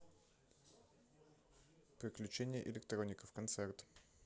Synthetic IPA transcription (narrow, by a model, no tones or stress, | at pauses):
pɾiklʲut͡ʃɛnʲiɛʔɛlɛkt̪ɾɔnikəfkont̪sɛɾt̪